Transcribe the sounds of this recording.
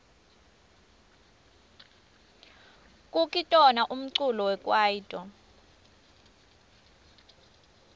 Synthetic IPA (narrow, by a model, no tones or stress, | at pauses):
kʼukʼitʼɔnaʔum̩ǀulɔwɛkʼwajiːtʼɔ